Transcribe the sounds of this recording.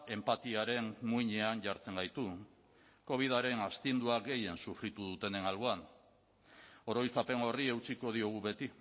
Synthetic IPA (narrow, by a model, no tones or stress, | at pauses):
e̞mpat̪iaɾe̞nmuiɲe̞anʝaɾt͡se̞ŋɡajt̪u | ko̞β̞ið̞aɾe̞nast̪ind̪uaɣe̞je̞nsufɾit̪uð̞ut̪e̞ne̞nalβoan | o̞ɾo̞jt͡sape̞ŋo̞rie̞wt͡siko̞ð̞io̞ɣ̞uβe̞t̪i